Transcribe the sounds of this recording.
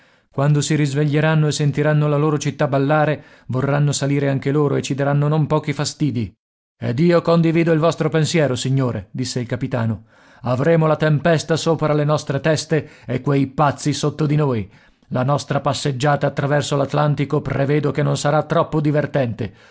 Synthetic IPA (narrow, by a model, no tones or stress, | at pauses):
kwand̪osiɾizveʎːeɾanːoesːent̪iɾanːolaloːɾot͡ʃit̪ːabalːaːɾe | vorːanːosaliːɾeaŋk̟eloːɾoet͡ʃːid̪aɾanːonompɔːkifast̪iːd̪i | ɛ̰d̪iːokond̪iviːd̪oilvɔst̪ɾopensjɛːɾosiɲːoːɾed̪isːeilkapit̪aːno | avɾeːmolat̪empɛst̪asoːpɾalenɔst̪ɾet̪ɛst̪eekːwejpat̪sːisot̪ːod̪inoːj | lanɔst̪ɾapasːed͡ʒːaːt̪aːt̪ːɾavɛrsolat̪lant̪ikoprevɛːd̪okenːonsaɾat̪ːɾɔpːod̪ivert̪ɛnt̪e